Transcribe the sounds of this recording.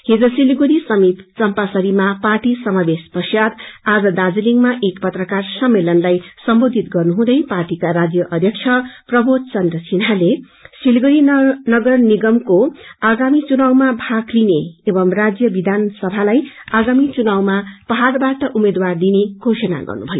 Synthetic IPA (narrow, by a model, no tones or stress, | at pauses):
hed͡zʌsilɡuɾisʌmit̪t͡sʌmpasʌɾimaparʈisʌmabespʌsjad̪ad͡zʌd̪ad͡ziliŋmaʔekpʌt̪rʌkarsʌmːelʌnlajsʌmbod̪ʱit̪ɡʌrnuɦũd̪ʌjparʈikaɾad͡zjʌʔʌd̪ʱjʌk̚t͡ʃʰʌprʌbʱod̪̚t͡sʌnd̪rʌsinɦale | silɡuɾinʌɡʌrniɡʌmkoaɡamit͡sunawmabʱaklineːbʌmrad͡zjʌbid̪ʱansʌbʱalajaɡamit͡sunawmapʌɦarbaʈʌʔumed̪ward̪ineɡ̥ʱosʌna̰ɡʌ̰rnṵbʱʌjo̰